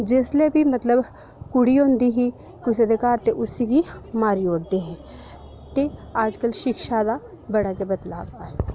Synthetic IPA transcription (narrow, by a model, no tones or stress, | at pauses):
d͡ʒeːslebʱimɐt̪ləb | kʊɽioːnd̪iɦi | kiʊsɐd̪ʱɪkaːɾt̪eʔʊsikimaːɾioːɽd̪eɦɛ̃ː | t̪eaːd͡ʒkəlʃɪkʃad̪a | bɐɽakebɐt̪la̰ːbaːeː